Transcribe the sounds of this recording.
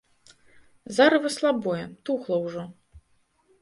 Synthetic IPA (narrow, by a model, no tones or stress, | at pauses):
zaɾɨvɐslˠabɔjɛt̪uxlˠɐwʐɔ